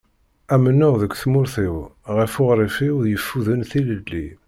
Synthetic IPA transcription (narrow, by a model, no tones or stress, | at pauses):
æmənːʊʁðəkʷːθmʊɾθiwʁəfʊʁɾˤifiwðjəfːuðənθiləlːḭ